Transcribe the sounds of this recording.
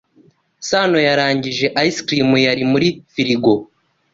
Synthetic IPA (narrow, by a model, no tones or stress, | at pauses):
sano̞jaɾaːɲɟiʒe̞ʔaiskɾimujaɾimuɾifiɾiɡo̞